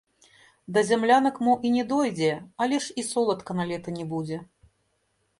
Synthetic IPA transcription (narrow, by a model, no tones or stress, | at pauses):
d̪ɐzʲamlʲanɐkmuʔinʲɛd̪ɔjd͡zʲɛalʲɛʂisɔlˠɐt̪kɐnalʲɛt̪ɐnʲɛbud͡zʲɛ